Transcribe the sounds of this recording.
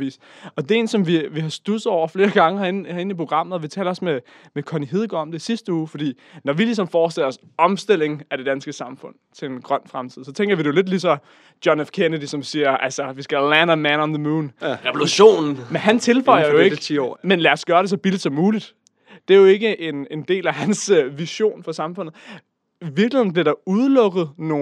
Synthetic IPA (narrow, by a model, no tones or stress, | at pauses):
ʋḭːs | ɒ̽d̥e̝e̝ːnsɒ̽mʋiʋiɦɑ̈sd̥usð̩ˠɒ̰ʊ̰ɐfle̝ːɐɡ̥ɑ̈ŋəhɑ̈enhɑ̈e̝n̩ipʰo̝ɡ̥ʁɑ̈m̰ð̩ˠɒʋit͡sʰɛ̰ːlɐɒ̽sme | mekʰɒniɦeð̞ˠɡ̥ɐɒ̽md̥e̝isisd̥əuːfɒd̥ḭː | nɒʋilis̬ɒ̽mfɒːsd̥e̝l̰ɐɒ̽s | ɒ̽msd̥e̝l̰e̝ŋ̩æɾ̥e̝d̥ænsɡ̥əsɑ̈mfɔ̽n̰t͡sʰe̝lenɡ̥ʁɶn̰fʁamt͡sʰið̰ˠsɒ̽t͡sʰeŋɡ̥ɐʋiɾ̥e̝jo̝le̝d̥lis̬ɒ̽ | d̥jɒnefkʰenəd̥isɒ̽msiːɐʔælsɐʋisɡ̥ælænəmænɒnðəmuːnʁɛʋluɕo̝̰ːn̩menɦænt͡sʰe̝lfɒɪ̰ɐjoe̝ɡʰḭmenlæɒsɡ̥ɶːɐɾ̥e̝s̬ɒ̽b̥ild̥sɒ̽mːuːlid̥ | d̥e̝æɐjo̝e̝ɡ̥əʔe̝ne̝nd̥e̝̰ːlæɦænsøʋiɕo̝̰ːnfɒsɑ̈mfɔ̽n̰ð̩ˠ | ʋiɐɡlihe̝̰n̩bliɐɾ̥ɑ̈uðˠlɔ̽ɡ̥ð̞̩ˠno̝ː